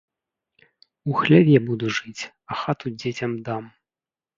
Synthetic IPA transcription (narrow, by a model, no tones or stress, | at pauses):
uxlʲɛbʲjabud̪uʐɨt͡sʲ | ɐxat̪ud͡zʲet͡sʲɐmd̪am